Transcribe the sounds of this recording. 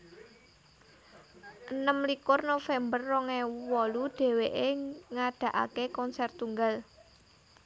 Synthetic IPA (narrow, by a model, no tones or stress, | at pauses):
ʔənəmlikʊrnofɛmbərːɔŋɛwɔluɖ̥e̤weʔeŋaɖ̥ä̤ʔa̰kekɔnsɛrt̪uŋɡal